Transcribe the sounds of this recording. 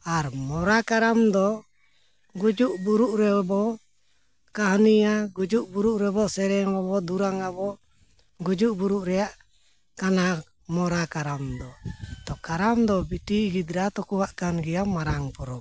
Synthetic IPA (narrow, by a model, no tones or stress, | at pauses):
aɾmɔɾakaɾamd̪ɔ | ɡud͡ʒuʔbuɾuʔɾɛbɔ | kaɦnijaɡud͡ʒuʔbuɾuʔɾɛbɔsɛɾɛŋɾɔbɔd̪uɾaŋabɔ | ɡud͡ʒuʔbuɾuʔɾɛjaʔ | kana | mɔɾakaɾamd̪ɔt̪ɔkaɾamd̪ɔbitiɡid̪ɾat̪ɔkuwaʔkanɡɛjamaɾaŋpɔɾɔ